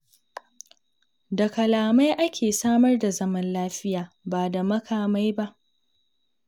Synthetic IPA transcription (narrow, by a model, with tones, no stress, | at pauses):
da˨kɐ˨laː˨ma˦jʔa˦kʲʰeː˨saː˦mɐ˦rda˨zɐ˦mɐ˦nlaː˦ɸɪ˦jaː˨ | baː˨da˨mɐ˦kʰaː˨ma˦jba˦ʔ